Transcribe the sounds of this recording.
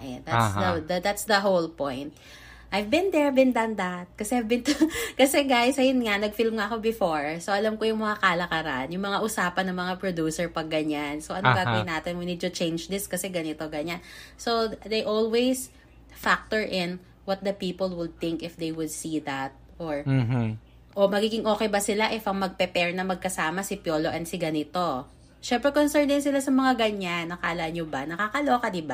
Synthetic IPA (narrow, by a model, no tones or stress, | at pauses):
ʔɛd̪at̪sd̪ɐd̪ɐd̪at̪sd̪ɐɦowlpɔ̃jnt̪̚ | ʔajvbɪ̃nd̪ɛɹbɪnd̪and̪at̪̚kɐsɛhjvbɪ̃nt̪ʊkɐsɛɡajsɐjʊnŋanɐɡfilmŋaɐko̞bɪfoɹsoʔɐlamkojʊŋmɐŋakaːlɐkɐɾa̰ʔanjʊŋmɐŋaʔʊsaːpɐnɐŋmɐŋapɹod̪uːsɛɹpɐɡɐɲansoʔɐnʊkaɡɪnaːt̪ɪnwinid̪̚t̪ʊt͡ʃẽjnd͡ʒd̪ɪskɐsɛɡɐnɪt̪o̞ɡɐɲansod̪ejʔolwejs | fak̚t̪ɔɹʔɪn | wɔt̪̚d̪ɐpiːpolwɪd̪̚θɪ̃ŋkɪfd̪ejwʊd̪̚sid̪ɐt̪̚ʔoɹ | ʔomɐɡiːɡɪŋʔo̞ːkɛjbɐsɪlaʔɛfɐŋmɐɡ̚pɛpɛɹnɐmɐɡ̚kɐsaːmɐsɪpjo̞ːloʔɐnsɪɡɐnɪt̪o̞ | ʃɛmpɾɛkonsɛɹnd̪ɪnsɪlasɐmɐŋaɡɐɲanːɐkaʔɐlaɲobanɐkaːkɐloːkɐd̪ɪba